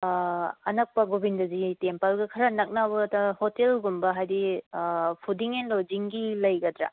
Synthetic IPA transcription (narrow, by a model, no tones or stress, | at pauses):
ɐ̰nɐk̚pɐɡobindɐzitempalɡɐkʰɐɾanɐk̚naβɐtɐhotelɡumbɐɦajdi | pʰudiŋenlod͡ʒiŋɡilɐjɡɐdɾa̰